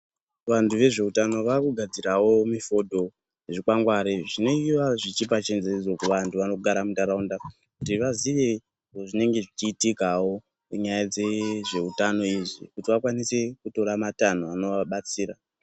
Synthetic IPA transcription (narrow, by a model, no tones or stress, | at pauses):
ʋantʰuʋe̞ʐe̞utano̞ʋakuɡʱad͡ziɾawo̞mifo̞dʱo̞ | ʐikwaŋɡwaɾeʐino̞iʋaʐit͡ʃip̬at͡ʃenzeid͡zokuʋantʰuʋano̞ɡʱaɾamundaɾaunda | kutiʋaziʋe̞ | oʐine̞ŋɡe̞ʐit͡ʃiːtikawo̞ | iɲajad͡zeʐe̞utano̞iʐḭkutiʋakwanise̞kuto̞ɾamatan̤oano̞ʋaɓat͡siːɾa